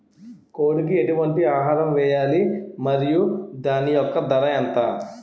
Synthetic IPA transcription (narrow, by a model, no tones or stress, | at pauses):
koːɽik̬ieʈuʋɐɳʈiaːɦaːɾɐmʋɛːjaːlimɐɾijud̪aːnijɔkːɐd̪ɐɾɐɐnt̪aː